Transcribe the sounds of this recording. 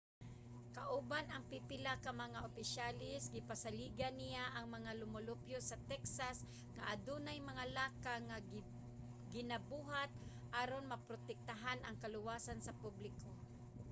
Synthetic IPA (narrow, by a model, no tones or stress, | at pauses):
kaʔʊbanɐŋpɪpɪlakamɐŋaʔopɪʃalɪsɡɪpasaliːɡanijaʔɐŋmɐŋalʊmʊlʊpjosɐt̪ɛksas | ŋaʔad̪uːnajmɐŋalaːkaŋa | ɡɪnabuːɦat̪̚ | ʔaɾonmɐpɾot̪ɛk̚t̪aɦanʔɐŋkalʊwasansɐpublɪko